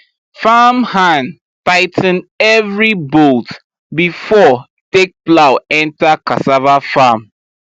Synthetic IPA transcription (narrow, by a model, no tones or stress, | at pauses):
famhãn | taɪtn̩ɛvɹibolt | bifɔ | tek̚plaʊɛ̃ntakasavafãm